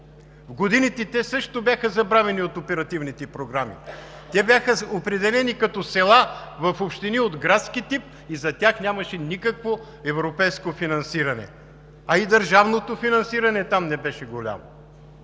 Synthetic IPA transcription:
vɡod̪init̪ɛt̪ɛsɤʃt̪objaxəzɐbɾavɛniot̪opɛɾɐt̪ivnit̪ɛpɾoɡɾamḭ | t̪ɛbjaxəopɾɛd̪ɛlɛnikɐt̪ɔsɛlˠavɐfopʃt̪iniod̪ɡɾat̪skit̪ip̚ | izɐt̪ʲjaxnʲamɐʃɛnikɐkvo | ɛvɾopɛjskofinɐnsiɾɐnɛ̰ | ɐid̪ɐɾʒavnot̪ofinɐnsiɾɐnɛt̪amnɛbɛʃɛɡolʲa̰mo̰

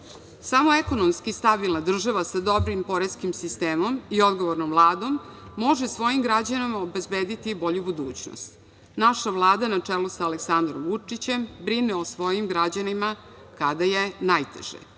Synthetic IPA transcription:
samo̞eko̞nomskist̪abilˠnad̪r̩ʒaʋasad̪o̞bɾimpo̞ɾeskimsist̪eːmo̞mio̞d̪ɡoʋoɾnomvlˠaːd̪o̞mːo̞ʒesʋo̞jimɡɾad͡ʑanimaobe̞zbeːd̪it̪ibo̞ʎubud̪uːt͡ɕno̰st̪ | naʃaʋlˠaːd̪anat͡ʂelusaːleksand̪ɾomvut͡ʂit͡ɕe̞mbɾineosʋo̞jimɡɾad͡ʑanima | kad̪ajenajt̪ḛʒ̥ḛ

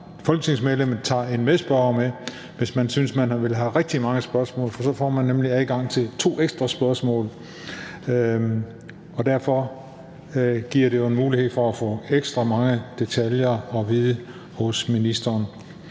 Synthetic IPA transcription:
fɒlɡ̥ə̥t͡sʰe̝ŋsmeðˠlem̰ð̩ˠt͡sʰɑ̰̈e̝nmesb̥ɶɐme | ʋe̝smænsynsmænæʋe̝lɦæʁɛɡ̥̚d̥imɑ̈ŋəsb̥ɶɐsmɔ̰̽ːlfɒ̽sɒ̽fɒ̰ːmænːemliæðˠɡ̥ɑ̈ŋ̰t͡sʰe̝lt͡sʰo̝̰ːeɡ̥sd̥ʁɐsb̥ɶɐsmɔ̰̽ːl | ɒ̽d̥æɐfɒ | ɡ̥iɐ̰ɾe̝jo̝e̝nmuːlihe̝ð̞̰ˠfɒ̽æfɔ̰eɡ̥sd̥ʁɑmɑ̈ŋəd̥e̝t͡sʰæljɐɒ̽ʋiːðˠə | hɔ̽sminisd̥ɐːn

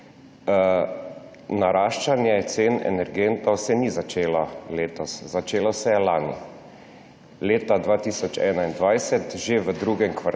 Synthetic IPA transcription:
naɾaːʃt͡ʃanjɛjɛt̪seːnɛ̰nɛɾɡent̪awsɛnizat͡ʃeːlɔleːt̪ɔszat͡ʃeːlɔsɛjɛlaːnḭ | leːt̪ad̪ʋaːt̪isɔt͡ʃɛ̰ːnaind̪ʋajsɛt̪ʒeʋəd̪ɾuɡɛŋkʋa

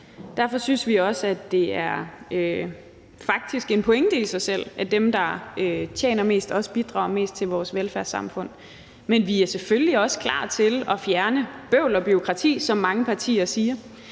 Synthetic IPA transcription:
d̥æɐ̰fɒ̽synsʋiɒ̽sæd̥e̝æɐø | fɑ̈ɡ̥̚d̥isɡ̥e̝npʰɔ̽eŋd̥əisɑ̈ɪsel̰ʔæd̥emd̥ɑ̈øt͡ɕʰjḛːnɐme̝̰ːsd̥ɒ̽sb̥id̥ʁɑ̰̈ʊ̰me̝̰ːsd̥̚t͡sʰe̝lʋɒːsʋelfæɐsɑ̈mfɔ̽n̰ | menʋiæɐsefølliɒ̽sə̥kʰlɑ̰̈ːt͡sʰe̝lɒ̽fjæɐnəb̥øʊlɒ̽b̥yo̝kʰʁɑ̈t͡sʰḭːsɒ̽mːɑ̈ŋəpʰɑ̈t͡sʰḭːɐsiːɐ

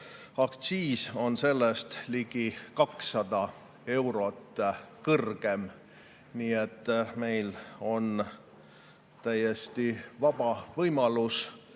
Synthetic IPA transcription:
ɑkt̪siːso̞nse̞lːest̪liɡ̥ikɑksːɑd̪̥ɑ | e̞wɾo̞t̪ːˑkɤrɡ̥e̞m | niːet̪ːme̞jlo̞n | t̪æjest̪ivɑb̥ɑvɤjmɑlus

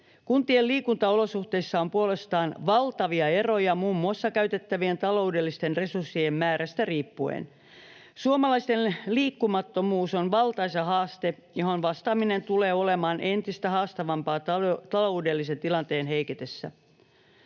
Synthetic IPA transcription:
kunt̪ieliːkunt̪ɑo̞lo̞suht̪e̞isːɑompuole̞st̪ɑːnʋɑlt̪ɑʋiɑe̞ro̞jɑmuːmːuɑsːɑkæyt̪e̞t̪ːæʋie̞nt̪ɑlo̞udelːist̪enre̞sursːiemmæːɾæst̪æriːpːuḛn | suomɑlɑist̪enliːkːumɑt̪ːo̞muːsonʋɑlt̪ɑjsɑɦɑːst̪e | joɦonʋɑst̪ɑːmine̞nt̪ule̞ːo̞le̞mɑːnʔe̞nt̪ist̪æhɑːst̪ɑʋɑmpɑːt̪ɑt̪ɑloude̞lːise̞nt̪ilɑnt̪eːnɦe̞iket̪esːæ̰

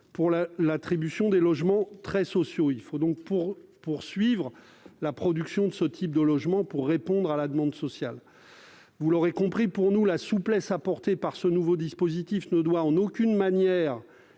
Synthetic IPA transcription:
puʁlalat̪χibysjɔ̃d̪elɔʒmɑ̃t̪χɛsɔsjoilfod̪ɔ̃k̚puʁpuʁsɥivʁ | lapχɔd̪yksjɔ̃d̪əsət̪ʰip̚d̪əlɔʒmɑ̃puʁːepɔ̃d̪ʁalad̪əmɑ̃d̪sɔsjal | vulɔʁekɔ̃pχipuʁnulasuplɛsapɔʁt̪epaʁsənuvod̪ispozit̪ifnəd̪waɑ̃nokʲynmanjɛːʁ

